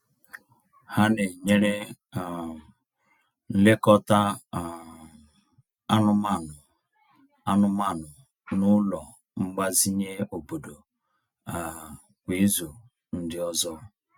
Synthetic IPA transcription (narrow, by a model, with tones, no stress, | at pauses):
ha˦ne˨ɲe˦ɾe˦˨ | n̩˦le˦kɔ˦ta˦˨ | a˦nʊ˦ma˦˨nʊ˨ | a˦nʊ˦ma˦˨nʊ˨ | nʊ˦lɔ˨ | ŋ͡m̩˦ɡ͡ba˦zi˦ɲe˦o˨bo˨do˨ | a˨ | kʷi˨˦zu˨ | n̩˦dɪ˦ɔ˦zɔ˦